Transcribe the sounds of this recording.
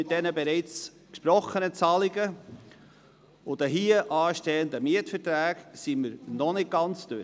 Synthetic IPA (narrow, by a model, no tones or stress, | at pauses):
ɪt̚d̥ɛnəbɛɾɛɪt͡s | kʃpɾɔχːənət͡sɑliɡə | ʊd̥̪əɦiəʔɑːʃtɛːəndəmiətfəɾtɾæːɡsiməɾnɔnɪt̚ɡ̥ɑnt͡sd̥øɾ